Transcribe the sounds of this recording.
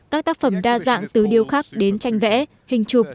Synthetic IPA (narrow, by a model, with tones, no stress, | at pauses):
kaː˦˥k̚t̪aː˦˥k̚fə˧˩mɗaː˧za̰ː˧˨ŋt̪ɨ˨˦ɗi˧əwxaː˦˥k̚ɗe˨˦nt͡ɕa˧jŋ̟vɛ̰˧˥ | hï˨˩ŋ̟t͡ɕʊ˨˩k͡p̚